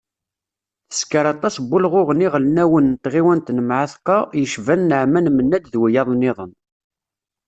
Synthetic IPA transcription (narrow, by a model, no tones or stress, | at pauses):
θə̥skəɾɑt̪ˤɑsbːʊlʁʊʁniʁlnæwənt̪ʁiwænt̪nəmʕaθqɑjəʃvænːəʕmænmənːæd̪ðwijɑðˤnːɪðˤən